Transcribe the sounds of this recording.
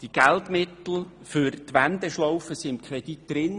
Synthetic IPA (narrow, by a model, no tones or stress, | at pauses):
d̥iɡ̥ælt̪mɪt̪l̩ˠfyɾt̪ʋænd̪ɛʃlɔwfəsɪnkʰɾɛd̥̪itd̪̥ɾɪn